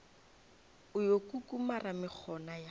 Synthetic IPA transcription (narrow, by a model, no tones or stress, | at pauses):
ʊjokukʼumaramɪk͡xʰɔnaja